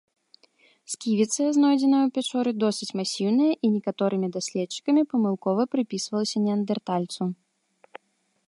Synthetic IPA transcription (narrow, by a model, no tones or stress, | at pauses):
skʲivʲit̪sɐjɐznɔjd͡zʲɛnɐjwpʲat͡ʂɔɾɨd̪ɔsɨt͡sʲmasʲiwnɨjɐʔinʲɛkat̪ɔɾɨmʲid̪asʲlʲɛt̪t͡ʂi̥kɐmʲipɐmɨlˠkɔvɐpɾɨpʲisvɐlˠɐsʲɐnʲɛɐnd̪ɛrt̪alʲt̪su